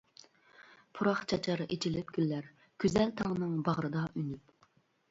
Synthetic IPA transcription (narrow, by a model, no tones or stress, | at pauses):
pʰuɾɑχt͡ʃʰɑt͡ʃʰɑɾʔet͡ʃʰilɪp̚ɡʲylːæɾ | ɡ̥ʲyzælt̪ʰɑʁnɨŋbɑʁɾɨd̪ɑʔynyp